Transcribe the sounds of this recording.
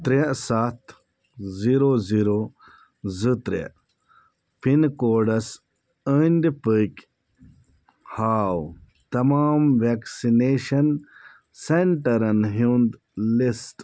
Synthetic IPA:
t̪ɾesat̪ʰ | ziɾoziɾo | zɨt̪ɾḛ | pinkoːɖɐs | ənʲd̪pəkʲ | haːw | t̪ɐmaːmʋeksineːʃɐn | seɳʈɐɾɐnɦind̪ | lisʈ

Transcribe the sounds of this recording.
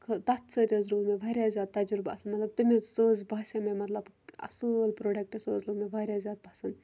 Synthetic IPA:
kʰət̪ɐt̪ʰsəːt̪ʲezɾuːɾmeʋaːɾʲjaːzʲjaːd̪̚t̪ɐd͡ʒuɾba̰ːsɨnmɐt̪lɐb̚t̪ɨmesoːzbaːsʲememɐt̪lɐb | ɐ̰sɨlpɾoːɖɐk̚ʈesoːzluːɡmẽʋaːɾʲjazjaːd̪̚bʱaːsɨn

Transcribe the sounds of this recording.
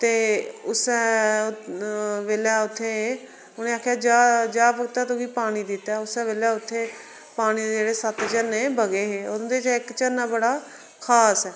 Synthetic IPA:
t̪eːʊsɛː | ʋeːljaːʊt̪ʰːeː | ʊnẽːaːkʰːejaːd͡ʒaːd͡ʒaːpəɡt̪aːt̪õːkiːpaːɽ̃iːd̪ɪt̪ːɛːʊsɛ̃ːʋeːljaːʊt̪ʰːeː | paːɽ̃iːd̪d͡ʒeːɽeːsət̪t͡ʃəneːbəɡeːɦeːʊnd̪eːt͡ʃɪkt͡ʃənːaːbəɽaː | kʰaːsɛː

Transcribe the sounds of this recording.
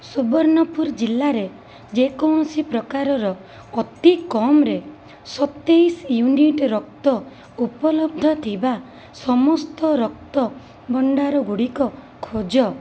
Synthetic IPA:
subɔɾnɔpuɾd͡ʒilːaɾe | d͡ʒekɔwɳ̃ɔsipɾɔkaɾɔɾɔː | t̪ikɔmɾe | sɔt̪esjuniʈɾɔk̚t̪ɔ | upɔlɔb̚d̪ʱɔt̪ʰiba | sɔmɔst̪ɔɾɔk̚t̪ɔ | bɔɳɖaɾɔɡuɽikɔ | kʰod͡ʒɔ

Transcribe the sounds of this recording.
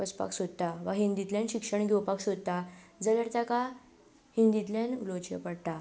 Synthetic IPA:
pəspa̰ksod̪̚t̪aʋaɦind̪it̪ljãnɕikʂəɳɡewpaksod̪̚t̪ad͡zələɽt̪aka | hind̪it̪ljanulot͡ɕḛpəɽt̪a

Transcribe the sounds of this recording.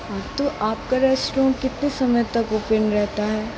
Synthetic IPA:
aːbt̪oʔaːp̚kaɾɛːsʈɾõːkɪt̪nesɐməjt̪ɐkoːpənɾɛɦt̪aɦɛː

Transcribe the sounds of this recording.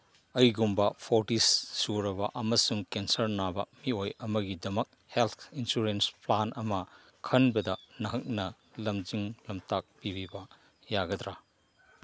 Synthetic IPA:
ɐjɡumbɐpʰoɾtisːuɾɐbɐʔɐmɐsuŋkensɐɾnabɐ̰miojɐmɐɡidɐmɐk̚helt̪ʰinsuɾensplanʔɐmɐ | kʰɐnbɐdɐnɐɦɐk̚nɐ | lɐmd͡ʒiŋlɐmtak̚pibibɐ | jaɡɐdɾa

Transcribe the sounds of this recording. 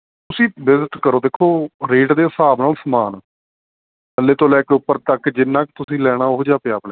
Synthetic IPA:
t̪ʊsĩːbɪzɪt̪kəɾoːd̪eːkʰːoːɾeːʈd̪eːsaːbnaːlsəmaːn | əlːeːt̪õːlɛːkʊpːəɾt̪əkd͡ʒɪnːãːkt̪ʊsĩːlɛːɽ̃aːʊɦd͡ʒaːpɪjaːplɛː

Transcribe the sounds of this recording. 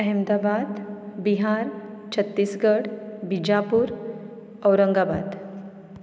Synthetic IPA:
ɦɛmd̪abad̪biɦaɾt͡ɕʰət̪ːiːsɡəɽbid͡ʑapuːɾ | əwɾəŋɡaba̰d̪

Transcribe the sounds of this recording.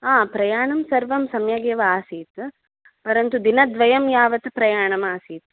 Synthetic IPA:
aːpɾɐjaːɳɐmsɐɾʋɐmsɐmjɐɡjɐʋɐaːsiːt̪ɨ | pɐɾɐnt̪ud̪inɐd̪ʋɐjɐmjaːʋɐt̪ɨpɾɐjaːɳɐmaːsiːt̪ːɨ̥

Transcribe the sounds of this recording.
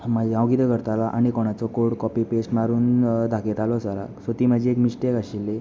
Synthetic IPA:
mad͡ʑiãwɡit̪əɡəɾt̪alaʔañikɔɽ̃at͡sɔkoɽkɔpipesmaɾuːnd̪ʱakʰet̪alɔsaɾa̰sot̪iːmad͡ʑʱiekmiɕʈekaɕilːe

